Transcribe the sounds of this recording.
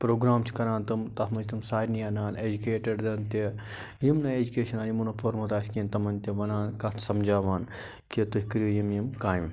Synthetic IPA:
pɾoːɡɾaːmt͡ʃʰkɐɾãːnt̪ɨmt̪ɐɦmɐd͡ʒt̪ɐmsaːɾnijaːnaːned͡ʒukeːʈɐɖd̪ɐnt̪i | jimnɐeːd͡ʒukeːʃɐnaːjimunɐpʰoɾmut̪aːsʲkiːnt̪ɐmɐnʲt̪ʲiʋɐnaːnkɐt̪ʰsɐmd͡ʒaːʋaːn | kit̪uɦikɾujimjimkaːjim

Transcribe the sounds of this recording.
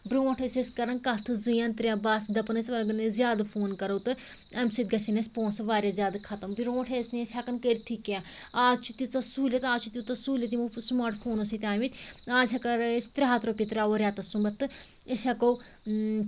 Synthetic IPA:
bɾõːʈʰeseskɐɾɐnkɐt̪ʰɨzɨjãːnt̪ɾʲjãːbaːsd̪ɐpnɐsʲʋɐlɡɐnezjaːd̪ɐpʰoːnkɐɾowt̪ɨ | ɐmsit̪̚ɡɐsinesʲpõːnsɐʋaːɾjazjaːd̪akʰɐt̪ɐmbɾõːʈʰeːsnesʲɐkɐnkəɾt̪ʰikjãːaːt͡ʃʰut̪it͡sɐsuːlʲet̪aːt͡ʃʰut̪it̪ɐsuːlʲɐt̪imusmaːɾʈpʰoːnɐsit̪ʲaːʋit̪ʲaːzʰɐkɐɾsʲt̪ɾʲɦaːt̪ɾoːpit̪ɾaːoːɾʲjaːt̪ɐsũbɐt̪ːɨesʲɐkow

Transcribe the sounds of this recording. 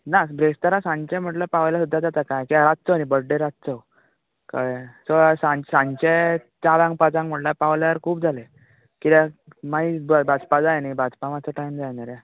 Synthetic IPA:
nasbɾest̪əɾasãɲt͡ɕɛ̃m̤əʈləpaʋljasud̪ʱːad͡zat̪akajkiaɾat̪̚t͡sənibəɽɖẽɾat̪̚t͡səw | ka̰ʋesəsãɲsãɲt͡ɕet͡ɕaɾãŋɡpat͡sãŋɡm̤əʈlapaʋljaəɾkʰuːbd͡zʱale | kit̪amaibəbad͡zpad͡zajnaibad͡zpaʋat͡səʈajmd͡zajnaɾja

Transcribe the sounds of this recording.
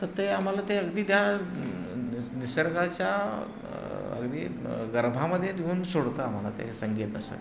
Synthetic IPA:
t̪əɾt̪eam̤alat̪eəɡd̪iːd̪ja | nisəɾɡat͡ɕja | ə̰ɡd̪ḭːɡəɾbʱaməd̪ʱːjed̪euːnsoɽt̪aam̤ala̰t̪ḛsəŋɡet̪əsə̰

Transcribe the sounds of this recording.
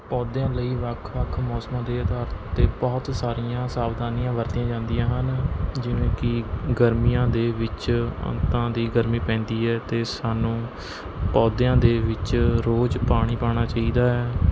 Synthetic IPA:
pɔːd̪jãːləiːʋəkʰʋəkʰmɔːsmãːd̪eːəd̪aːɾt̪ːt̪eːbɔːt̪saːɾijãːsaːʋd̪aːnijãːʋəɾt̪ijãːd͡ʒãːnd̪ijãːɦənd͡ʒɪnẽːkɪɡəɾmijãːd̪eːʋɪt͡ʃə̰̃nt̪ãːd̪iːɡəɾmiːpɛ̃ːnd̪iːɛːt̪eːsaːnũː | pɔːd̪eãːd̪eːʋɪt͡ʃɾoːd͡ʒpaːɽ̃iːpaːɽ̃aːt͡ʃaːiːd̪aːɦɛː

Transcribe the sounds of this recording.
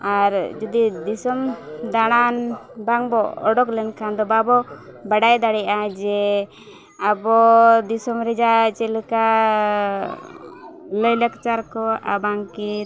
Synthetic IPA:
aɾd͡ʒɔd̪id̪isɔmd̪aɽ̃anbaŋbɔɔ̰ɖɔklɛnkʰand̪ɔbabɔbaɖajd̪aɽɛad͡ʒɛ | abɔd̪isɔmɾɛd͡ʒat͡ʃɛləka | ləjləkt͡ʃaɾkɔa̰baŋki

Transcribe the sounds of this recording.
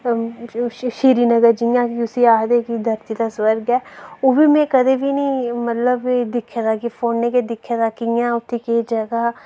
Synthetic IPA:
ʃiːɾiːnəɡəɾd͡ʒijãːkiʊsiaːɦd̪ekid̪ʱəɾt̪it̪aswəɾɡɛːoːbiːmɛ̃ːkəd̪eːbʱinəĩːmət̪ləbd̪ɪkʰːjaːt̪aːkifʰoːnːeked̪ɪkʰːaːt̪aːkijãːʊt̪ʰːekeid͡ʒəɡaː

